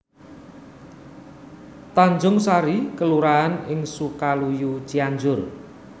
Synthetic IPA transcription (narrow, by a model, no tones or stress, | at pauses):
t̪aɲd͡ʒʊŋsaɾikəluɾaɦanɪŋsukalujut͡ʃiaɲd͡ʒʊr